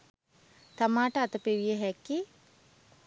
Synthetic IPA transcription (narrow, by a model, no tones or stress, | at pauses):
t̪amaːʈəat̪əpeʋijəɦɛki